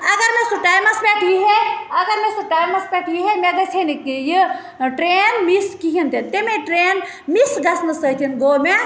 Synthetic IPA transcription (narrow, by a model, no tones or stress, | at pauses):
ɐɡəɾmesuʈaːjmɐsbeʈʰjiɦeɐɡɐɾmesuʈaːjmɐsbeʈʰjiɦemeɡɐsʰenikeji | ʈɾenmiskiɦint̪ʰint̪emeʈɾen | misɡɐsnɨsət̪ʰinɡome